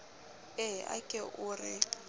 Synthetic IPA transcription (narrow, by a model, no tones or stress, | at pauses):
ɛa̰kʼɛʔurɪ